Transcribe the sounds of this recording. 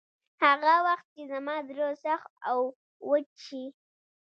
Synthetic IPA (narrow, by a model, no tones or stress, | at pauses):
haɣawaxt̪̚t͡ʃezamɑd̪ɾosaxaw | wət͡ʃi